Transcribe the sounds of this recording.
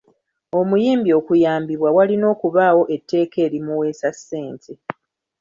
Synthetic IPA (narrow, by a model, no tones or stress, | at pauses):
o̞mujiːmbio̞kujaːmbiβwawalino̞ːkuβaːwo̞ʔe̞tʰːe̞ːke̞ːɾimuwe̞ːsasːe̞ːntʰe